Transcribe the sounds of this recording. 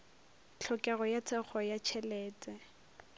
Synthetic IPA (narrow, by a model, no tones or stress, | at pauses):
t͡ɬʰɔkʼɛɣɔjat͡sʰɛk͡xʰɔjat͡ʃʰɛlɛːt͡sʼɛ